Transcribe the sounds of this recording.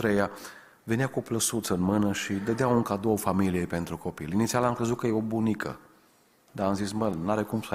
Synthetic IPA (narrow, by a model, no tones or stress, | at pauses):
t̪ɾeja | ve̞neakupləsut̪səɨnmɨnəʃid̪əd̪eauŋkad̪o̞wəfamilijepe̞nt̪ɾuko̞pilinit̪sialamkɾe̞zut̪̚kəjeobunikʰə̰ | d̪aamzisbəlnaɾekumsa